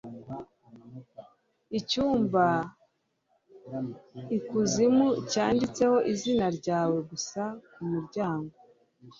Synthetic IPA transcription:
icuːmba | ikuzimucaːndit͡se̞ho̞ʔizinaɾɟaːwe̞ɡusakumuɾɟaːŋɡo

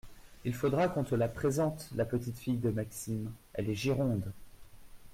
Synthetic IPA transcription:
ilfod̪ʁakɔ̃t̪χəlapχezɑ̃t̪lapət̪it̪fijd̪əmaksimɛlɛʒiʁɔ̃d̪

